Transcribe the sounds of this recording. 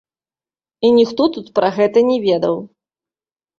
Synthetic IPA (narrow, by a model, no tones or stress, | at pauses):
inʲixt̪ɔt̪ut̪pɾaɣɛt̪ɐnʲɛvʲɛd̪ɐw